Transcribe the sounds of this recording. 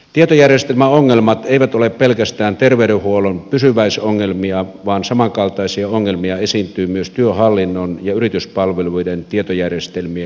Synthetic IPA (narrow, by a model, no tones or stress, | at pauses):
t̪iet̪ojærjest̪elmæoŋːelmɑt̪eiʋæt̪oleppelkæst̪æːnt̪erʋeyɾehuolonpysyʋæisoŋːelmiɑʋɑːnsɑmɑŋkɑlt̪ɑˑisiɑoŋːelmiɑesiːnt̪yːmyøst̪yøhɑlːinːonjɑyrit̪yspɑlʋeluident̪iet̪ojærjest̪elmiæ